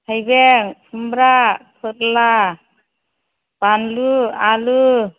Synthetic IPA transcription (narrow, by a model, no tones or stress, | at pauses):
hajbeŋpʰɯmbɾapʰɯtla | b̥anlualu